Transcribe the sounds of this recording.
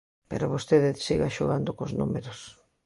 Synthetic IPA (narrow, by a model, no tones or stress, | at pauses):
pḛɾoβost̪eðɪsiɣaʃoɣand̪okoznṵmeɾos